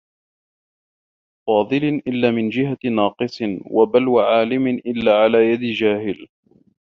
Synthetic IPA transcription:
fɑːðˤɨlʔɪlːaːmɪnd͡ʒɪɦanɑːqɨsˤɨnwabalwaʕaːlɪmɪʔɪlːaːʕalaːjad̪ɪd͡ʒaːhɪl

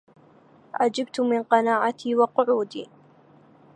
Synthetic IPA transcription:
ʕad͡ʒab̚t̪ʊmɪnqɑnaːʕat̪ʰiːwɑqʊʕuːd̪ḭː

